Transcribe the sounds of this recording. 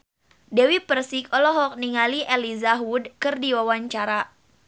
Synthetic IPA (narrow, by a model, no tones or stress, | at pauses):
dɛwipərsikɔlɔɦɔk̚niŋaliʔɛlizaɦwudkɨrdiwawaɲt͡ʃaɾa